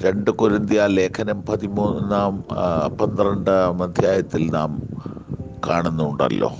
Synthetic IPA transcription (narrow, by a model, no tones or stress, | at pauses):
ɾe̞ɳɖɨkuɾind̪jaːle̞ːkʰɐnɐmpɐðimuːnnːaːmpɐnd̪rɐɳɖɨmɐd̪ʱjaːjɐt̪ːilna̰ːm | kaːɳunːuɳɖɐ̰lːo̞̰ː